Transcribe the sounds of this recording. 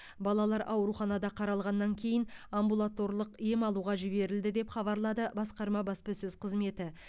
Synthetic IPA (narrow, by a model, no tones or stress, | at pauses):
bɑlˠɑlˠɑɾʔɑwɾuχɑnɑd̪ɑqʰɑɾɑlˠʁɑnːɑŋkʲʰe̞jɪnambulˠat̪o̞ɾlˠəqijemɑlˠuʁɑʒɪβe̞ɾɪld̪ɪd̪e̞pχɑβɑɾlˠɑd̪əbɑsqɑɾmɑbɑspəsɵz̥qʰəzme̞t̪ɪ